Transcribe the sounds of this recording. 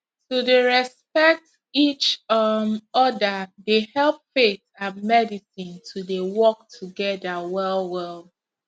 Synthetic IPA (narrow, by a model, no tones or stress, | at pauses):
tudeɹɛspɛk̚t | it͡ʃ | ɔdədehɛlˠp̚fetãnmɛdisĩntʰudewɔk̚tʰuɡɛdəwɛlˠwɛlˠ